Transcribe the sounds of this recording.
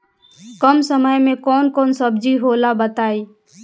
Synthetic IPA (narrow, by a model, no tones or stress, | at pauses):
kəmsəməjmẽkɔːnkɔːnsəbd͡ʒiɦoːlabət̪aːiː